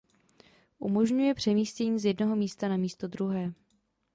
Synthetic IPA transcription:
ʔumo̞ʒɲujɛpr̝̥ɛmiːscɛɲiːzjɛdnoɦo̞miːst̪anamiːst̪o̞d̪ɾuɦɛː

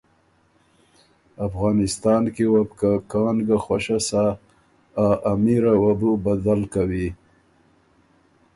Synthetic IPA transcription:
afɣɑːnɪst̪ɑnkewabkakɑːnɡaxwaʃasa | aʔamiɾawabubad̪alkawi

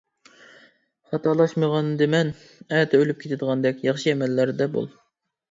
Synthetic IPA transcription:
χɑt̪ʰɑlˠɑʃməʁɑnd̪ɪmɛn | ɛt̪ʰɛølyp̚kʲʰet̪ʰɪd̪əʁɑnd̪ɛkʲjɑχʃɨɛmɛlːæɾd̪ɛbo̰lˠ

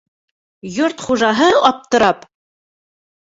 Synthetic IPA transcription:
jɵrt̪χuʒɑɦəɑp̚t̪ə̆ɾɑp

